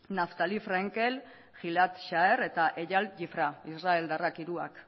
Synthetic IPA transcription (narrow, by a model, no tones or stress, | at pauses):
naft̪alifɾaŋkel | xilat̪ʃaeɾe̞t̪aʔeʝalʝifɾaisrae̞ld̪arakiɾua̰k